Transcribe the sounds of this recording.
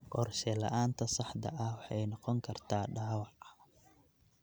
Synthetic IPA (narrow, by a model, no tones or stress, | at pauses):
qɔrʃɛlɐ̰ʔaːnt̪ʰɐsɑħd̪ɐ̰ʔɐhwɑħɑjnɔqɔŋkʰɐrt̪ʰaːɖaːwɑʕ